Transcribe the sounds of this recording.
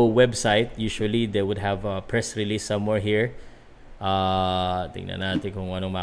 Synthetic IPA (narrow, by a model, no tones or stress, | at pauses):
wɛbsajt̪̚juʃuɐlid̪ewʊd̪ɛvɐpɹɛsɹɪlisːɐ̃mwɛɹɦiɹ | ʔa | t̪ɪ̰ɡnɐ̰naːt̪ɪkʊŋɐnoŋma